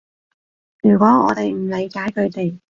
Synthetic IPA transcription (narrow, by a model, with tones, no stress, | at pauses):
jyː˨˩kʷwɔː˨˥ŋɔː˨˧t̪e˨jm̩˨˩le˨˧jkaː˨˥jkʰɵ˨˧ɥt̪e˨j